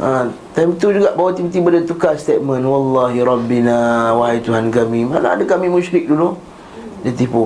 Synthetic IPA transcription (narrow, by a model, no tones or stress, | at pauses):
ʔət̪ajmt̪ud͡ʒuɡaʔbawat̪ipt̪ibədət̪ukast̪et̚mə̃nwɑlːɑɦiɾɑbːinawaɦajt̪uɦankamĩmanaa̰dakamĩmuʃɾɪk̚dulu | dat̪ipu